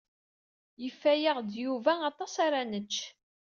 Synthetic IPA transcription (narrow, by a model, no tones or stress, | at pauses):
jəfːæjəʁd̪juvæɑt̪ˤɑsaɾanət͡ʃː